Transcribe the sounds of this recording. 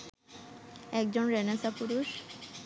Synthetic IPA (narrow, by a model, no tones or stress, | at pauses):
ɛkd͡ʑonɾenesapuɾuʃ